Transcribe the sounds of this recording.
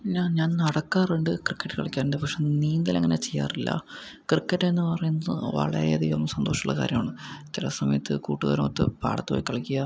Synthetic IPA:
ɲaːnɲaːnnɐɽɐkːaːreɳɖɨkrikːɐʈːɨ̥kɐ̰ɭɐkʲːaːɾɳɖepɐkʂeniːnd̪ilɐŋːɐnet͡ɕejːa̰ːrilːɐ̰ | krikːɐʈːenːɨpɐrɐjunːɐðɨʋɐ̰ɭɐ̰ɾḛɐðijʋomːsɐnd̪oːʂɐmuɭːɐ̰ka̰ːɾjɐmaːɳɨt͡ɕilɐsɐmɐjɐt̪ːɨ̰kuːʈːuɣɐ̰ɾoːt̪ːɨ̰pa̰ːɽɐt̪ːɨo̰ːjikːɐɭɐkʲːijɐ

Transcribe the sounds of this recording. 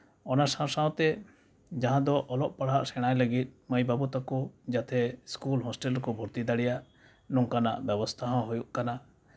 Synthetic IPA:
ɔnasãsawt̪ɛ | d͡ʒaɦãd̪ɔʔɔlɔʔ̚paɽ̤aʔsɛɽ̃ajləɡit̪̚ˀməjbabut̪akɔd͡ʒat̪ʰɛskulɦɔsʈɛlkɔbʱɔɾt̪id̪aɽɛjaʔ | nɔŋkana̰ʔbɛbɔst̪ʰaɦɔ̃ɦujuʔkana

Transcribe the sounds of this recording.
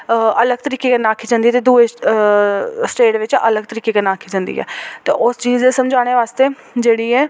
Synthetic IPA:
ələɡ̚t̪əɾiːkeːkɪnaːkʰiːd͡ʒãnd̪iːɛt̪eːd̪uːe | sʈeːɖʋɪt͡ʃə̰ləɡ̚t̪əɾiːkeːkənaːkʰiːd͡ʒãːnd̪ḭːɦɛ̰ːt̪eːʔʊst͡ʃiːzeːsəmd͡ʒaːɽ̃eːʋaːst̪eː | d͡ʒeːɽiːɛː

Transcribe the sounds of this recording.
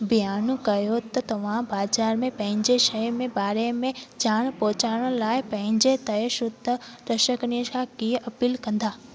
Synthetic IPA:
bijaːnũkɐjot̪ɐt̪ɐʋ̤ãbaːd͡ʒaːɾmẽpɐ̃ɦɪ̃ɲd͡ʑeʃɐmẽbaːɾemẽd͡ʑaːɽ̃pɔːt͡ɕaːɾəɽ̃laːɪpɐ̃ɦɪ̃ɲd͡ʑet̪ɐeʃʊd̪ʱəd̪əʃəknijəkʰãkiʔɐpiːlkɐ̃nd̪aː

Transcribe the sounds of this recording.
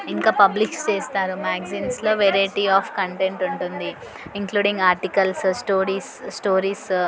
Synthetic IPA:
iŋkaːpɐblikst͡ʃeːst̪aːɾumaːɡziːnslo̞ːʋeɾɐjʈiaːfkɐɳʈeɳʈuɳʈund̪i | iŋkluːɖiŋɡaːɾʈikɐlssʈoːɾiːssʈoːɾiːs

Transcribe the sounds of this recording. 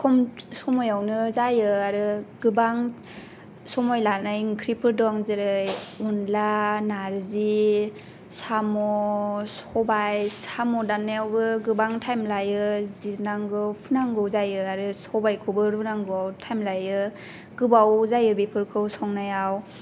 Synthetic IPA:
kʰɔmsɔmɔjawnɯzajɯaɾɯɡɯbaŋ | sɔmɔjlanajŋkʰɾipʰɯɾdɔŋzɯɾɯjunlanaɾzi | samɔsɔbajsamɔdanːajawbɯɡɯbaŋtʰajmlajɯzinaŋɡɯpʰɯnaŋɡɯwzajɯaɾɯsɔbajkʰɯbɯɾpʰɯnaŋɡɯɔwtʰajmlajɯ | ɡɯbawzajɯbipʰɯɾkʰɯwsɔŋnajaw

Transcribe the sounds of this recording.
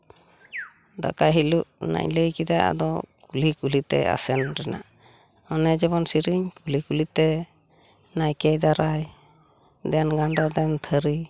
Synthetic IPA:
d̪a̰kaɦiluʔna̰ɲləjkid̪aa̰d̪ɔ̰kulikulit̪ɛ̰a̰sɛnɾɛna̰ | ɔnɛd͡ʒɛbɔnsiɾiɲkulikulit̪ɛ | najkɛd̪aɾaj | d̪ɛjanɡanɖɔd̪ɛnt̪ʰəɾi

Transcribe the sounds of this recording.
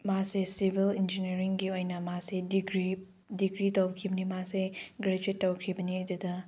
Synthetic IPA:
masesibʱilind͡ʒineɾiŋɡiojnɐmasediɡɾi | diɡɾitowbkʰibɐnimaseɡɾed͡ʒitːɐwkʰibɐniɐdudɐ

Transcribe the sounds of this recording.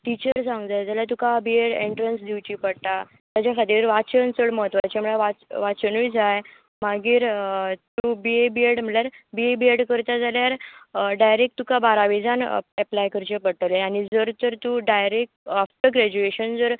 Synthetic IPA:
ʈit͡ɕəɾsãŋɡd͡zajd͡zaljat̪ukabieɽeɳʈɾənsd̪iwt͡ɕiːpəɽt̪a | t̪at͡ɕakat̪iɾʋat͡ɕənt͡səɽməɦət̪ʋat͡ɕam̤əɭaʋaʋat͡ɕənujd͡zaj | maɡiːɾt̪ubiebieɽm̤əɭljaɾbiebieɽkəɾt̪ad͡zaljaɾɖajɾek̚t̪ukabaɾaʋid͡zanɛplajkəɾt͡ɕepəɽʈ̪əleaɽ̃id͡zəɾt̪əɾt̪uɖajɾek̚ʈafʈəɡɾɛd͡ʑueɕənd͡zəɾ

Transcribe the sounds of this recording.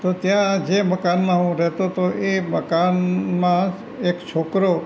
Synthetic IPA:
t̪ot̪jãd͡ʒeməkanmãɦũɾɛɦt̪ot̪oʔeməkanmã | ekt͡ʃʰokɾo

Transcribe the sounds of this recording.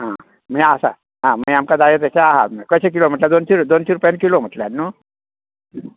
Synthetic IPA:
ɦã | mĩasa̰ | ɦãməiamkad̪ajet̪aɕaaɦa̰t̪məkəɕek̬ilom̤əʈlad̪ont͡ɕiɾud̪ont͡ɕiɾupjankilom̤əʈljanːu

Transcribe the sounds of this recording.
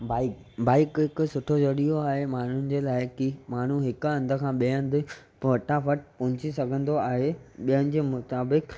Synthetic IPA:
baːɪkbaːɪkɦɪkʊsʊʈʰod͡ʑɐɗijoaːɦemaːn̤ʊnɪ̆d͡ʑeːlaːɪkimaːn̤uɦɪk̆ɐ̃nd̪ʱʊkʰãːɓiə̃nd̪ɪ | ʋɐʈʰafɐʈpɐ̃ɦʊ̃ɲt͡ɕisɐɡʱə̃nd̪oaːɦeɓijənɪ̆d͡ʑeːmʊt̪aːbɪk

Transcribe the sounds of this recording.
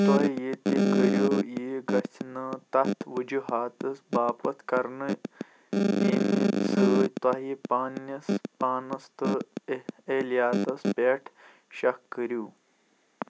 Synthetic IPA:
t̪ɐɦijet̪ikəɾjojiɡɐt͡sʰnɐt̪ɐt̪ʰʋud͡ʒuɦaːt̪ɐsbaːpɐt̪ʰkɐɾnɨ | imḭt̪sɨt̪wɐɦipaːnjɐspaːnɐst̪ɨ | elijaːt̪ɐspeːʈʰ | ʃɐkːəɾuː

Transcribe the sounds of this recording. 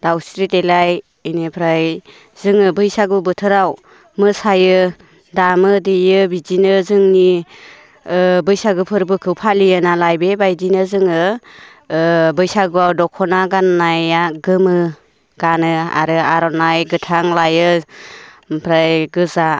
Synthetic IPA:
d̥awsɾitelaj | inepʰɾaj | zɯŋɯbɯjsaɡubɯtʰɯɾaw | mɯsajɯ | damɯdijɯbizinɯzɯŋni | bɯjsaɡɯpʰɯɾbɯkʰɯwpʰalijɯnalajbebajdinɯzɯŋɯ | bɯjsaɡɯawdɔkʰɔnaɡanːajaɡɯmɯ | ɡ̥anɯa̰ɾɯaɾɔnajɡɯtʰaŋlajɯ | pʰɾajɡɯza

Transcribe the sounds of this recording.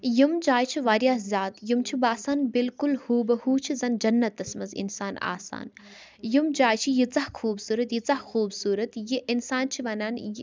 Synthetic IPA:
jimd͡ʒaːjt͡ʃʰiʋaːɾjaːzʲaːt̪jimt͡ʃʰibaːsaːnbilkulhuːbɐhuːt͡ʃʰizɐnd͡ʒɐnːɐt̪ːɐsmɐzḭnsaːna̰ːsa̰ːn | jimd͡ʒaːjt͡ʃʰijit͡sɐhkʰuːbsuːɾɐt̪jit͡sɐhxuːbsuːɾɐt̪jiʔinsaːnt͡ʃʰiʋɐnaːn

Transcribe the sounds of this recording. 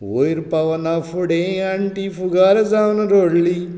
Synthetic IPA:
woːiɾpɐʋɐnafʰuɽẽɐɳʈiːfuɡaːɾɐzawnɐɾoːɽliː

